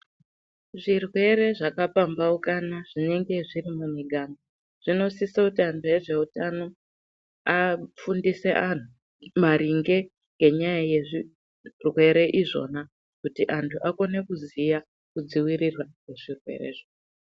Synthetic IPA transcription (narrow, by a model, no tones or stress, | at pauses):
ʐirwe̞ɾe̞ʐakapambaukanaʐ̥ine̞ŋɡe̞ʐiɾimuniɡʱano | ʐ̥ino̞sisakutiantʰuje̞ʐe̞utano̞ | afundise̞ʔan̤u | maɾiŋɡe̞ | ŋɡe̞ɲajaje̞ʐi | rwe̞ɾe̞ʔiʐo̞̰na | kutiʔantʰuʔako̞ne̞kuzija | kud͡ziwiɾirwakwe̞ʐirwe̞̰ɾḛʐo